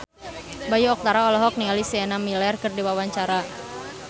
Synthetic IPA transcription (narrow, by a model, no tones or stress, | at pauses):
bajuɔk̚t̪aɾaɔlɔɦɔk̚niŋalisiɛnamilɛrkərdiwawaɲt͡ʃaɾa